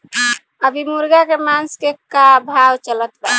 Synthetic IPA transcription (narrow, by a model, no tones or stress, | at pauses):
əbʱimuɾɡakemanskekabʱabt͡ʃələt̪ba